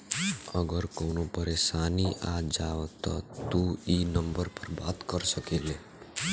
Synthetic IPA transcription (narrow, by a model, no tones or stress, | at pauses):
əɡəɾkonopəɾesaniʔad͡ʒaʋt̪ɔ̰t̪uinəmbəɾpəɾbat̪kəɾsəkele